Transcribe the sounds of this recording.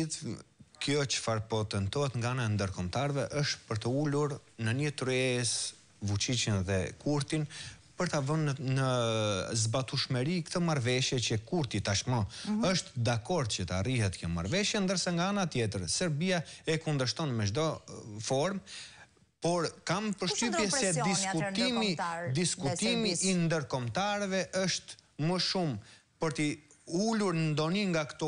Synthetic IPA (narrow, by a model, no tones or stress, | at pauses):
iθkjɔt͡ʃə̥faɾpɔt̪ɛnt̪ɔhɛt̪ŋɡaanand̪əɾkɔmt̪aɾvɛʔəʃt̪pəɾt̪əuluɾnəɲət̪ɾɛs | vut͡ʃit͡ʃənðɛkʰuɾt̪inpəɾt̪avənnə | zbat̪uʃmɛɾikt̪əmaɾvɛʃjɛt͡ɕəkuɾt̪it̪aʃmɔəʃt̪d̪akɔɾd̪̚t͡ʃət̪a̰rihɛt̪kɔma̰ɾvɛʃjɛnd̪əɾsaŋɡaanat̪jɛt̪̬əɾsɛɾbiaɛkund̪əʃt̪ɔnmɛd͡ʒd̪ɔfɔɾm | pɔɾkampəɾʃt̪ypjɛsɛd̪iskut̪imid̪iskut̪imiʔːnd̪əɾkɔmt̪aɾɛvɛʔəʃt̪məʃumpəɾt̪iuluɾnəd̪ɔniŋɡakt̪ɔ